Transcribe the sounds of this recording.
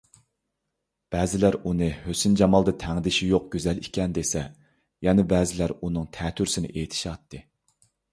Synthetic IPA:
b̥ɛːzɪlæɾunɨhøsynd͡ʒɑmɑlˠd̪ɨt̪ʰæŋd̪ɪʃijoq̚ɡ̥ʲøzɛlikʲɛnd̪esɛ | jɛnɛbɛːzɪlæɾunɨŋt̪ʰɛːt̪ʰyɾsɪnɪ̰ʔeːt̪ʰɪ̥ʃɑt̪ːɨ

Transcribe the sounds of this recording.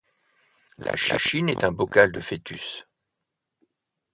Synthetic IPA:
la̰ʃḭʃinɛt̪ɛ̃bɔkald̪əfet̪ys

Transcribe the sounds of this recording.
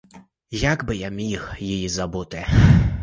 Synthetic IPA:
jaɡbɪjamʲixjijizɐbut̪ɪ

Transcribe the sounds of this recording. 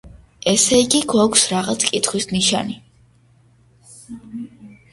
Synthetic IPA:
ɛsɛiɡiɡwakʷʰsɾaʁat̪sʰkʼit̪χwisniʃa̰ni

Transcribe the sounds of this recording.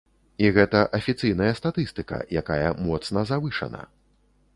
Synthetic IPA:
iɣɛt̪ɐʔɐfʲit̪sɨjnɐjɐst̪at̪ɨst̪ɨkɐ̰jakajɐmɔt̪snɐzavɨʂɐ̰nɐ̰

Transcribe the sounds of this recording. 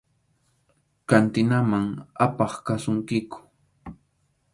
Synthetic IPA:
kant̪ɪnamaŋapɑχkasʊŋkɪkʊ̥

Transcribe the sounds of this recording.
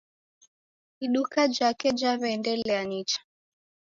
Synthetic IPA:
iɗukad͡ʒakɛd͡ʒaβɛːndɛlɛaɲit͡ʃḁ

